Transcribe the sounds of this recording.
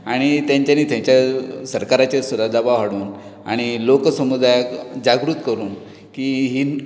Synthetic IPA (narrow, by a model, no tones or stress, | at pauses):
aɽ̃it̪jãɲt͡ɕjaniːt̪ʰjãɲt͡ɕjasəɾkaɾat͡ɕesud̪ad̪abaʋɦaɽuːna̰ɽ̃iloksəmud̪ʱajkd͡ʑaɡɾuːt̪kəɾuːn | kiːɦiː